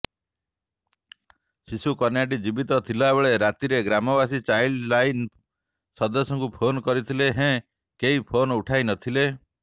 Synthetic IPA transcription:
sisukɔnjaʈ̬id͡ʒibit̪ɔt̪ʰilɔebɔɭeɾat̪iɾeɡɾamɔbasit͡ʃajllajn | sɔnd̪ɔsɔ̃ŋkupʰonkɔɾit̪ʰileɦɛ̃ | keipʰonuʈʰajnɔt̪ʰile

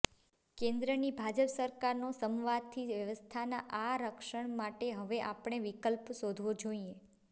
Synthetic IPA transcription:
kẽnd̪ɾənibʱad͡ʒəpsəɾkaɾnosəmʋad̪̚t̪ʰiʋjəʋəst̪ʰanaʔaɾəkʃəɳ̃maʈeɦəʋeʔapɳ̃eʋikəlpsod̪ʱʋod͡ʒoie

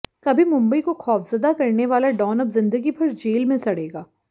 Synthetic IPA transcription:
kɐbʱimʊ̃mbəikoxʰɔːfʰz̥ɐd̪akɐɾneʋaːlaɖɔːnəbzɪ̃nd̪əɡipʰɐɾd͡ʒeːlmẽsɐɽ̤eːɡaː

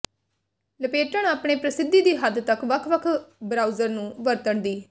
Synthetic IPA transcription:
ləpeːʈəɳaːpɳeːpɾəsɪd̪ːiːd̪iːɦəd̪t̪əkʋəkʰʋəkʰbɾaːuzəɾnũːʋəɾt̪əɳd̪iː

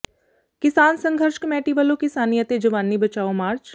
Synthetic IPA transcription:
kɪsaːnsə̃ŋɡʱəɾʃkmɛːʈiʋəlokɪsaːnijət̪ed͡ʒɐʋaːnːibət͡ʃaːomaːɾt͡ʃ

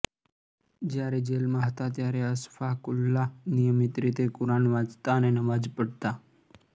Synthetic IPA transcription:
d͡ʒjaɾed͡ʒelmãɦət̪at̪jaɾeəsfakʊlːanijəmit̪ɾit̪ekʊɾanʋãd͡zt̪aənenəʋad͡ʒpəɽt̪a

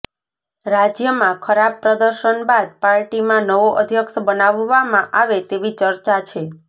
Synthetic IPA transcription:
ɾad͡ʒjəmãkʰəɾab̚pɾəd̪əɾʃənbad̪̚paɾʈimãnəʋoʔəd̪ʱjəkʃbənaʋːamãʔaʋet̪eʋit͡ʃəɾt͡ʃat͡ʃʰe

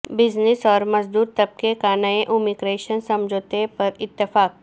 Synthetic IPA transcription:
bɪd͡ʒnɪsɔːɾmɐzd̪uːɾt̪ɐb̚kekaːnaːeʔuːmikɾeːʃənsɐ̃md͡ʒʱoːt̪epɐɾɪt̪ːɪfaːk̚

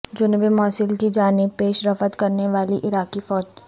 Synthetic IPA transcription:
d͡ʒʊnbimɔːsɪlkid͡ʒaːnɪb̚peːʃɾɐfət̪kɐɾneʋaːliʔɪɾaːkifɔːd͡ʒ

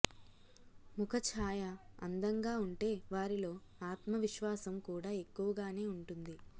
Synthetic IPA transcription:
mukʰɐt͡ʃʰaːjɐɐ̰nd̪ɐŋɡaːuɳʈe̞ːʋaːɾilo̞ː | aːt̪mɐʋiʃʋaːsɐmkuːɽaːe̞kːuʋɐɡaːne̞ːuɳʈund̪i

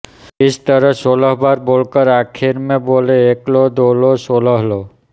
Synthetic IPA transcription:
ɪst̪əɾəsoləɦbaɾbolkəɾakʰiɾmẽboleːklod̪olosoləɦlo

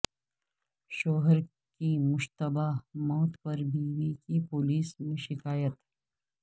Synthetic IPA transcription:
ʃoːɦəɾ | kimʊʃt̪əbamɔːt̪pɐɾbiːʋikipʊːliːsmẽʃɪkaːjət̪

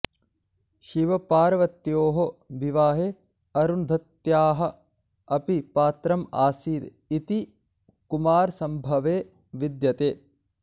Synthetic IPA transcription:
ʃiʋɐpaːɾɐʋɐt̪joːɦobʱiʋaːɦeː | ɐɾund̪ʱɐt̪jaːɦɐ̆ | ɐpipaːt̪ɾɐma̰ːsiːɾ | it̪i | kumaːɾsɐmbʱɐʋeː | ʋid̪jɐt̪eː

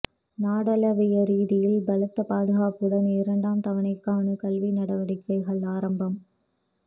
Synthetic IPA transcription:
naːɽɐlɐʋɪjɐɾiːðɪjɪlbɐlɐt̪ːɐpaːðɯɣaːpɯɽɐnɪɾɐɳɖaːmt̪ɐʋɐɳɐɪkːaːɳɯkɐlʋinɐɽɐʋɐɽɪkːɐɪɣɐɭaːɾɐmbɐm

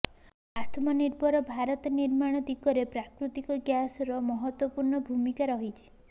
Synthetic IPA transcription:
at̪ʰmɔniɾbɔɾɔbʱaɾɔt̪ɔniɾmaɽ̃ɔd̪ikɔɾepɾakɾut̪ikɔɡjasɔɾɔmɔɦɔt̪wɔpuɾɳɔbʱumikaɾɔɦit͡ʃʰi̥

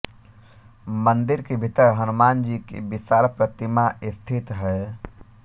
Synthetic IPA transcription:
mənd̪iɾkebʱit̪əɾɦənumand͡ʒikḛbisaɾpɾət̪imaʔɪst̪ʰit̪ɦɛ

